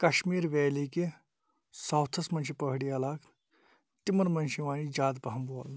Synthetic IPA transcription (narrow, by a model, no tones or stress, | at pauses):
kɐɕmiːɾʋɛːliki | sɐwt̪ʰɐsmɐnɕipɐɦɽiɐlaːk | t̪imɐnmɐnʃiʋaːnid͡ʒaːd̪̚bɐɦɐmboːl